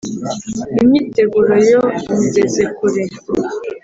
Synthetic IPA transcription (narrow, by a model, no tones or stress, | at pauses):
imiteɡuɾojomiɡezekuɾe